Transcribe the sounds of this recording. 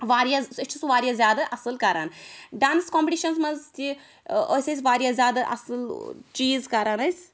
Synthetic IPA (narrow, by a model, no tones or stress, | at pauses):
ʋaːɾjazst͡ʃʰisʋaːɾjazʲjaːd̪ɐʔɐsɨlkaɾanɖaːnskompʲʈiːʃɐnsmɐzt̪i | ə̰sʲɐsʲʋaːɾjazjaːd̪ɐʔɐ̰sɨlt͡ʃiːzkaɾanɐjsʲ